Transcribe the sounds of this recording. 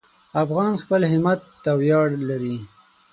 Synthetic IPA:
afɣɑnxpəlɦɪmat̪ːawjɑɽlaɾi

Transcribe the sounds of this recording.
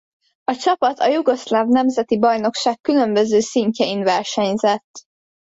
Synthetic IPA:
ɒt͡ʃɒpɒt̪ʰɒjuɡo̞slavnɛmzɛt̪ibɒjno̞kʃaːkːylø̞mbø̞zøːsiɲcɛinvɛrʃɛɲzɛt̪ː

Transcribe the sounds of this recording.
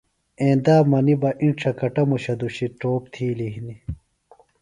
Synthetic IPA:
ẽːnd̪aːmɐnibɐʔĩɳʈ͡ʂʰɐkɐʈɐmuɕɐd̪uɕiʈoːp̚t̪ʰiːliɦini

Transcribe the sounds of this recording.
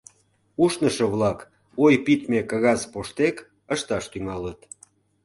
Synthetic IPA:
uʃnəʃəβlɑk | ojpit̪mekɑɣɑzpoʃt̪ek | əʃt̪ɑʃt̪yŋɑlət̪

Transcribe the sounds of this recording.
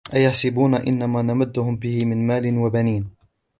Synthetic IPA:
ʔajaħsɪbuːnaʔɪ̰nːamaːnamad̪ːʊhʊmbɪhɪmɪnmaːlɪnwabaniːn

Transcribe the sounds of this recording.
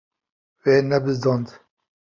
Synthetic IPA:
weːnɛbɨzd̪ɑnd̪

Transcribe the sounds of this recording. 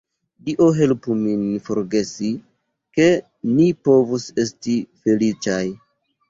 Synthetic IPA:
diʔo̞ɦe̞lpuminfo̞ɾɡe̞si | ke̞ | nipo̞vuse̞stife̞lit͡ʃaj

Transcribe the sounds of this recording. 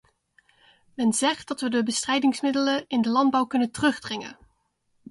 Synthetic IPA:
mɛnzɛχt̚dɑtʋədəbəstrɛjdɪŋsmɪdələnɪndəlɑndbɑwkɵnəntərɵχdrɪŋə̰n

